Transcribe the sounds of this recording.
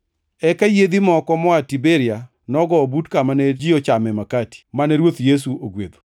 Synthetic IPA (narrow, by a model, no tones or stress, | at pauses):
ɛkajed̪imɔkɔmɔatibeɾɪa | nɔɡɔbutkamanɛd͡ʒiɔt͡ʃamɛmakati̥manɛɾwot̪jes̬uoɡwed̪o̥